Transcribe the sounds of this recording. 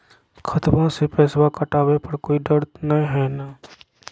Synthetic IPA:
kʰət̪bãsepɛːswakəʈaːwepɐɾkoːiɖəɾt̪nɐĩɦɛːnaː

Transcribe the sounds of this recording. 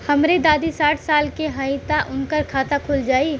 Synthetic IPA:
həmɾed̪aːd̪isaːʈʰsaːlkeɦəɪt̪aʔʊnkəɾkʰaːt̪akʰuld͡ʒaːi

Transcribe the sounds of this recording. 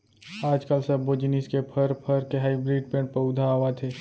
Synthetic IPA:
aːd͡ʒkəlsɐbːod͡ʒɪniskepʰəɾpʰəɾkeɦaːɪbɾiːɖpẽːʈpəʊd̪ʱaʋat̪ʰeː

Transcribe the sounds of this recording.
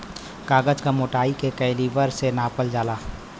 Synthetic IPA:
kaːɡəd͡ʒkamoːʈaːikekəɪliʋəɾsenaːpəld͡ʒaːlaː

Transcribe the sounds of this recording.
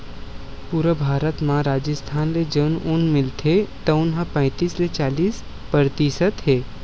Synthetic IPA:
puːɾəbʱaːɾət̪mãɾaːd͡ʒəst̪ʰaːnled͡ʒəːnʊnmɪlt̪ʰet̪ɐʊnɦãpɛ̃ɪ̃t̪iːslet͡ʃaːliːs | pəɾt̪iʃət̪ɦeː

